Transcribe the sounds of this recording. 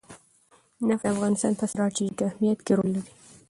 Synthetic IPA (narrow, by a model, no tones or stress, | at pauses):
nafafɣɑnɪst̪ɑnt̪asɾɑɾt͡ʃekahmijat̪keɾolːaɾi